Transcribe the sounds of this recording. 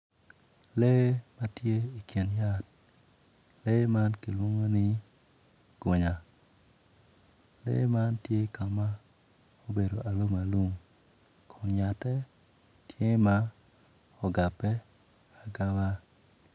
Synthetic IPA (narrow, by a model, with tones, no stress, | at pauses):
le˦ma˦tje˦i˨kji˨nja˦t̚ | le˦ma˦nki˨lwo˦ŋo˦nɪ˦ | ɡ̥o˨ɲa˨ | lḛ˦ma˦ntje˦ikʰa˨ma˦o˦be˨do˨ʔa˨lo˦ma˨lu˦ŋ | kʰɔ˨nja˨tɛ˦tje˦ŋ˦ma˦ | ɔ˨ɡa˨pɛ˦a˨ɡa˦wa˦